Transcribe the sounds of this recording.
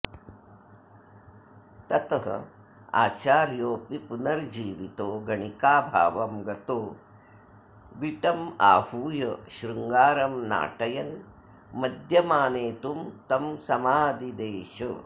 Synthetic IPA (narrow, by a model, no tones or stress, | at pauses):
t̪ɐt̪ɐɦɐ̰ | a̰ːt͡ʃaːɾjoːpipunɐɾd͡ʒiːʋit̪oːɡɐɳikaːbʱa̰ːʋɐmɡɐt̪oː | ʋiʈɐma̰ːhuːjɐʃɾuŋɡaːɾɐmna̰ːʈɐjɐn | mɐd̪ʱjɐmaːneːt̪umt̪ɐmsɐmaːd̪id̪eːʃɐ